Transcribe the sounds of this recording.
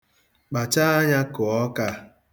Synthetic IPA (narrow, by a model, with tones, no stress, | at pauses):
k͡pa˨t͡ʃa˦a˦ɲa˦kʊ˨ɔ˦ka˦